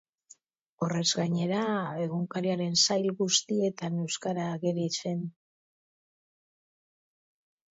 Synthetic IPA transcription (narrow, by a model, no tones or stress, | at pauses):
o̞re̞zɡaɲe̞ɾae̞ɣuŋkaɾiaɾe̞nsajlɣust̪ie̞t̪ane̞wskaɾaːɣeɾise̞n